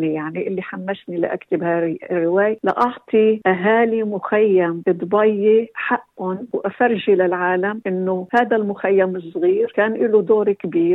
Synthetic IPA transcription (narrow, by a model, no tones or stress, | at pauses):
nijaʕniʔɪlːiħamːaʃnila̰ʔa̰kt̪ɪbharːɪwaːjala̰ʔɑʕt̪ˤiʔaɦaːlimʊxajːamʔɨd̪ˤbɑjːeħaʔːʊnwʔafaɾˤʒilalʕaːlamʔɪnːʊhaːd̪almʊxajːamɨsˤːɣiːɾkaːnʔɪlud̪oːɾkbiːɾ